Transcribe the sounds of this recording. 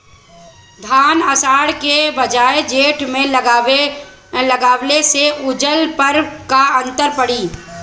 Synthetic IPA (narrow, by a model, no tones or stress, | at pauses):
d̪ʱaːnəsaːɽkebəd͡ʒaːed͡ʒeːʈmẽ | ləɡaːwleseʔʊd͡ʒəlpəɾkaə̃nt̪əɾpəɽiː